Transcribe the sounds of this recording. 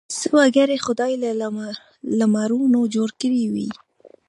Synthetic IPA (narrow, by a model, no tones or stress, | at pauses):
səwaɡaɾexʊd̪ɑjla | lamaɾunod͡ʒoɽkəɾiwi